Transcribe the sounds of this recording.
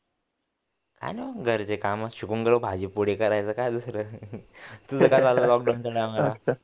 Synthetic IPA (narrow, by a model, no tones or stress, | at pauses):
ka̰neɡʱəɾt͡sekamaɕukunɡəɭəbʱad͡ʑipoɽekəɾajt͡səkajd̪usɾə | t̪ud͡zəkad͡zalalɔk̚ɖantaɽamala